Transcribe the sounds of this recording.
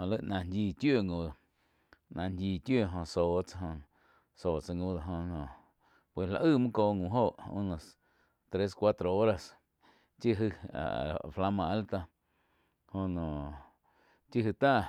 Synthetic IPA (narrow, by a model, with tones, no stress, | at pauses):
õ˨lə˦˨ʔnã˧˨ndʲiː˧˨t̪jo˦˨ŋõ˧˨ | nã˨ndʲiː˧˨t̪jo˦˨ɦõ˧˨soː˨t͡sa˧ɦõ˧ | soː˨t͡sa˧ŋõ˧˨d̪o˨ɦõ˧nõ˨ | pwe˨la̰˧ʔɨ˦˨mɨ̃˦koː˧˨ŋũ˨ɦoː˦˨ʔṵ̃˦nə̃˧˨s | t̪ɾe˦skʷwa˦t̪ɾo˨o˦ɾa˧s | t͡ʃi˦ɦɨ˧a̰˨fla˧mã˧˨a˦lt̪a˧ | hõ˧nõ˨ | t͡ʃi˦ɦɨ˧t̪a˦˨